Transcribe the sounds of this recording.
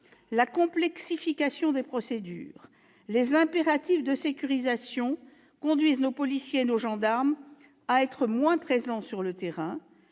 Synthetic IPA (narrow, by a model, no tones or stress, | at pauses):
lakɔ̃plɛksifikasjɔ̃d̪epχɔsed̪y̰ːʁ | lezɛ̃peʁat̪ifd̪əsekʲyʁizasjɔ̃ | kɔ̃d̪ɥiznopɔlisjeːnoʒɑ̃d̪aʁm | aɛt̪χəmwɛ̃pχezɑ̃syʁlət̪eʁɛ̃